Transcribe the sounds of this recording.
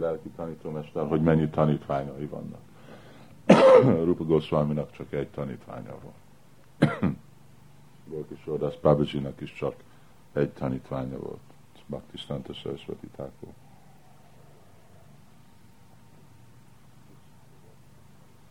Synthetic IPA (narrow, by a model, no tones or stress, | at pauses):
lɛlkit̪ɒniːt̪oːmɛʃt̪ɛrɦo̞ɟmɛɲːit̪ɒniːt̪ʋaːɲɒjivɒ̰nːɒk | rupiɡosʋaːminɒkt͡ʃɒkɛɟt̪ɒnḭːt̪ʋa̰ːɲɒ̰vo̞̰lt̪ | ɡolkiʃord̪aspabɛʒinɒkiʃt͡ʃɒk | ɛɟt̪ʰɒniːt̪ʋaːɲɒ̰vo̰lt̪ | bɒkt̪ist̪ant̪øʃɛ̰øsʋɛ̰t̪it̪ʰako̰ː